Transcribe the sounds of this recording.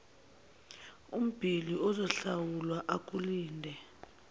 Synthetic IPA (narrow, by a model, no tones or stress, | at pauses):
um̩b̥ʱiliɔzɔɬawulwaʔak̬ʼuliːndʱɛ